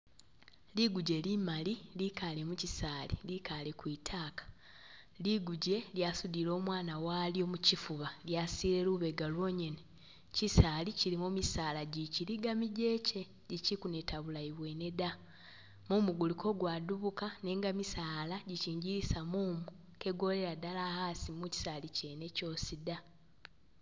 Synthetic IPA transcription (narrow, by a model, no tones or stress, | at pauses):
liɡuɟe̞limalilikale̞mucisaːlilikale̞kwiːtʰaːkḁ | liɡuɟe̞ljaːsudilo̞ːmwaːnawaːljo̞mucifuβaljasiːɾe̞ɾuβe̞ɡalwo̞ɲe̞ne | cisaːliciɾimumisaːlaɟiciɾiɡamiɟe̞ːce̞ | ɟicikune̞tʰaβulaiβwe̞ne̞da | muːmuɡulikʰo̞ɡwaduβukane̞ːŋɡamisaːlaɟiciːɲɟiɾisamuːmu | ke̞ɡo̞le̞ɾadalahasimuci̥salice̞ne̞co̞ːsida